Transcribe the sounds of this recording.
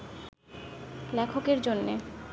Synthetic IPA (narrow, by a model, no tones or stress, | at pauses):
lɛkʰokeɾd͡ʑonːe